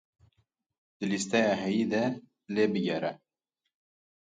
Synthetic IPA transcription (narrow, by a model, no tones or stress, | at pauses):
d̪̥ɨlist̪ɛjɑːɦɛjiːd̪ɛ | leːbɨɡɛɾɛ